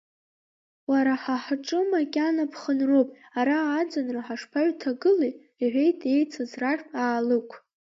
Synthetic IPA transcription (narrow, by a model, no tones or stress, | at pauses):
waɾaħaħʈ͡ʂʼɨmakʲʼanapʰχənro̞wpʼ | aɾaːd͡zanraħaʂpʰaɥtʰaɡɨlij | iħᶣʷe̞jtʰʼe̞jt͡sʰazraʒᶣpʼaːlɨkʷʰ